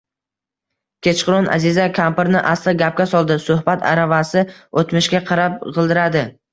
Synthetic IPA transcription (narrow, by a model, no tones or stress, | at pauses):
kʲʰe̞t͡ʃqʊɾɒnʔa̰zɪzakʲʰampɾnɪʔast̪aɡʲap̚kʲasɒlˠd̪ɪsʊhbat̪ʰa̰ɾavasɪot̪mɪʃkʲaqʰɑɾap̚qʰɨlˠd̪ɪɾad̪ɪ